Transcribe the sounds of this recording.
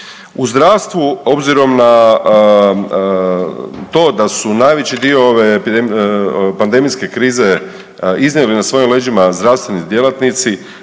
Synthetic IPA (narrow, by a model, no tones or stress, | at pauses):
uzd̪ɾaʋst̪ʋuo̞bziɾo̞mna | t̪o̞ːd̪asunajʋet͡ɕid̪io̞oʋe | pand̪e̞mijske̞kɾiːze̞ | iznʲjelinasʋo̞jimleːd͡ʑimazd̪ɾaʋst̪ʋenid̪jelˠat̪nit̪si